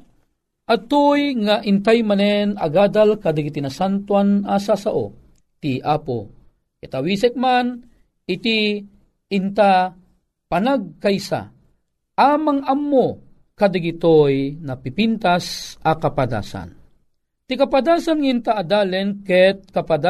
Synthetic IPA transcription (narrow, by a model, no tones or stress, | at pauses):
ʔat̪ojŋaʔint̪ajmanɛnɐ̰ɡaːd̪alkad̪aɡit̪inasant̪wanasasaʔo̰ | t̪iʔapo̰ | kit̪awisɛk̚man | it̪i | int̪a | panaɡ̚kajsa̰ | amaŋamːo | kad̪aɡit̪ojnɐpipint̪asʔakapad̪a̰ːsa̰n | t̪ikapad̪aːsanŋaint̪aːd̪aːlɛnkɛt̪̚kapad̪a